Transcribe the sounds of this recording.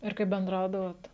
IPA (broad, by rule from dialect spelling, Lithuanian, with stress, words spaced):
ɪr kɐɪp bʲɛnˈdrɐʊdɐʋoːt